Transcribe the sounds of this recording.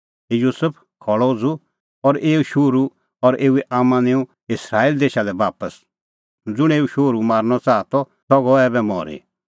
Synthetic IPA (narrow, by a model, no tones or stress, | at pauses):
juːsəpʰ | kʰɔɭɔd͡zu | ɔɾeːuʃoːɾu | ɔɾeːuɛʔaːmãnẽːũ | ɪsɾaːild̪eːʃalɛbaːpəs | d͡zʊɽ̃eːuʃoːɾumaːɾñɔt͡saːt̪ɔ | sɔɡɔɛːbɛmɔ̰ːɾḭ